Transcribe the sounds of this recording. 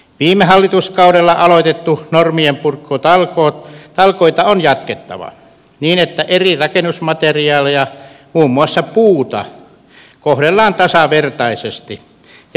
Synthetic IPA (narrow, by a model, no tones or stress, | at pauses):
ʋiːmehɑlːit̪uskɑuɾelːɑʔɑloit̪et̪ːunormiempurkːot̪ɑlkoːt̪t̪ɑlkoit̪ɑonjɑt̪ket̪ːɑ̰ʋɑ̰ | niːnet̪ːæʔerirɑkenusmɑt̪eriɑːlejɑmuːmːuɑsːɑpuːt̪ɑ̰ | kohɾelːɑːnt̪ɑsɑʋert̪ɑisest̪i